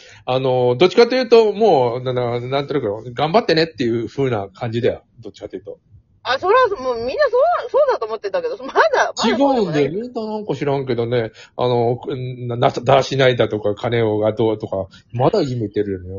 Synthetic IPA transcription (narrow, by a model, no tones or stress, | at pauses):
ano̞d̪ot͡ɕːi̥kat̪ːejɯ̟ːt̪o̞mo̞ːnãnd̪anãnt̪onakeoɡãmbat̪ːe̞ne̞t̪ːe̞jɯ̟ɸɯ̟ːnakʰãɲ̟d͡ʑid̪aja | d̪o̞t͡ɕːi̥kat̪ːejɯ̟̥t̪o̞ | asoɾamoːmʲĩnːasoːãsoːd̪at̪oːmot̪ːet̪ːake̞d̪omad̪at͡ɕiɡaɯ̟̃nd̪emĩnd̪anãŋkaɕiɾãŋk̬e̞d̪o̞ne̞a̰no̞nanatd̪aɕinaid̪at̪o̞kakʰane̞oɡad̪oːt̪o̞ka | mad̪akimet̪e̞ɾɯ̟jono